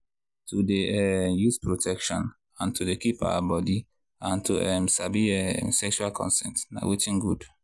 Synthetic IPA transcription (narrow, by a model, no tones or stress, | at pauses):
tʰudeɛjuspɹotʰɛkʃɔ̰̃n | ãntʰudekipa̰wa̰bɔdi | ãntʰuʔɛmsabiɛsɛkʃualkʰɔ̰̃nsɛ̰̃ntna̰wʔetĩnɡud